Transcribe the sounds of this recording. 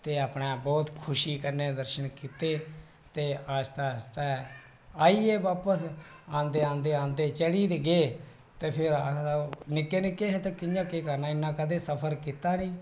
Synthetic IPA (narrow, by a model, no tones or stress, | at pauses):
t̪eːaːpnaːbɔːt̪kʰʊʃiːkəɾneːd̪əɾʃənkiːt̪eː | t̪eːaːd͡ʒt̪aːst̪aːɛ | aːiːeːbaːpəsãːnd̪eːãːnd̪eːãːnd̪eːt͡ʃəɽiːd̪eɡeː | t̪eːpʰɪɾanɪkːeːnɪkːeːɦet̪aːkɪãːkeːkəɾnãːɪnːãːkəd̪eːsəpʰəɾkit̪aːnĩː